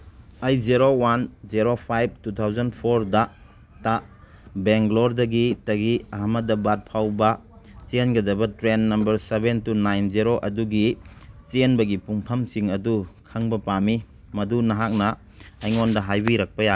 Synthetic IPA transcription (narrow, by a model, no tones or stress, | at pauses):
ɐjziɾowanziɾopʰajb̚tut̪ʰawzɐnpʰoɾdɐ | ta | beŋkloɾdɐɡitɐɡiɐɦamɐdɐbat̚pʰawbɐt͡ʃenɡɐdɐbɐtɾenːɐmbɐɾsebentunajnziɾoʔɐduɡit͡ʃenbɐɡipuŋpʰɐmsiŋɐdukʰɐŋbɐpami | mɐdunɐɦak̚nɐ | ɐjŋondɐɦajbiɾɐk̚pɐja